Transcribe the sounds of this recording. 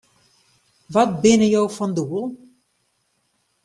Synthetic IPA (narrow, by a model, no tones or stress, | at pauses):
ʋɔt̚bɪnəjowfɔnduəlˠ